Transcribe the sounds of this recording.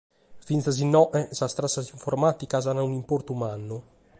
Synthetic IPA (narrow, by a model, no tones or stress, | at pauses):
fint̪azinɔʔɛsast̪ɾasːaziɱfɔɾmat̪ikazanaunimpoɾt̪umanu